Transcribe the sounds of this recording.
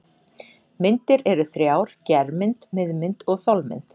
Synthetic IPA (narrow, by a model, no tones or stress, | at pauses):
mɪnt̪ɪɾɛɾʏθɾjaːwɾ̥cɛɾmɪnt̪mɪðmɪnt̪ɔɣθɔlmɪ̰nt̪